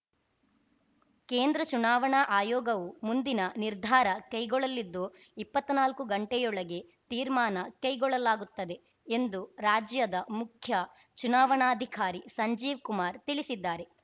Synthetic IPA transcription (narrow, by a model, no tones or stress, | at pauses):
keːnd̪ɾɐt͡ʃunaːʋɐɳɐʔaːjɔːɡɐʋumund̪inɐniɾd̪ʱaːɾɐkɐjɡɔɭɐlːid̪ːu | ipːɐt̪ːnaːlkuɡɐɳʈɛjɔɭɐɡe̞ | t̪iːɾmaːnɐkɐjɡɔɭɐlaːɡut̪ːɐd̪e̞ | end̪uɾaːd͡ʒjɐd̪ɐmukʰjɐ | t͡ʃunaːʋɐɳaːd̪ʱikaːɾisɐɲd͡ʒiːʋkumaːɾt̪iɭisid̪ːaːɾe̞